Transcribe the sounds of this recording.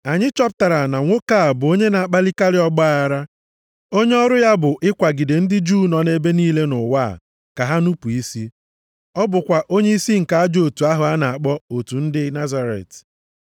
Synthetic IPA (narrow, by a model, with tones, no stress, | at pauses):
a˨ɲɪ˦t͡ʃɔ˦p̬̚ta˨ɾa˨na˨ŋʷo˦ka˦˨bʊ˨o˦ɲe˦na˨a˨k͡pa˦li˦ka˦lɪ˦ɔ˦ɡ͡bɔ˦a˦˨a˦ɾa˦ | o˦ɲe˦ɔ˦ɾʊ˦ja˦bʊ˨ʔɪ˦kʷa˨ɡɪ˨de˨n̩˦dɪ˦d͡ʒu˦˨nɔ˨ne˦be˦niː˦le˦nʊ˨wa̰ː˦˨ | ka˨ɦa˦nu˦pu˨i˦si˦ | ɔ˦bʊ˨kʷa˨ʔo˦ɲe˦i˦si˦ŋ̩˨ka˨˦a˦d͡ʒo˨tu˨a˦ɦʊ˨a˦na˨a˨k͡pɔ˦o˨tu˨n̩˦dɪ˦na˦za˨ɾḛ˨t